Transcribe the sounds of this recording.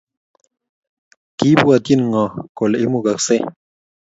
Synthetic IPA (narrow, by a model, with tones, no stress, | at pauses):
ki˦bu˦a˨t̪i˦˨n˨ŋɔ̃˨ko˨lʔi˦mu˦˨ɡa˨kse˦